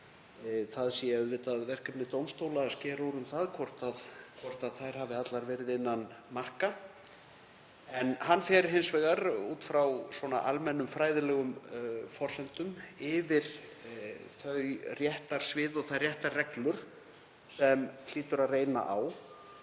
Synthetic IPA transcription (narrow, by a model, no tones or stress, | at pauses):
θaðsiɛœðvɪt̪aðvɛr̥kapnɪt̪owmst̪owlaːscɛːɾɔɾʏmθaðkʰɔr̥t̪aðkʰvɔr̥t̪aðθajɾ̥havɪat̪laɾvɛːɾɪðɪnːanmar̥ka | ɛnhanfjɛɾɦɪnsvɛːɣaɾṵːt̪fɾawsvɔna̰ʔa̰lmɛnːʏmfɾaːjðɪlɛːɣʏmfɔr̥sɛnt̪ʏmɪvɪɾ̥ | θœɥrjɛht̪aɾ̥svɪːðɔɣθajrjɛht̪arrɛklʏɾ̥ | sɛml̥iːt̪ʏɾaðreːjna̰ʔaw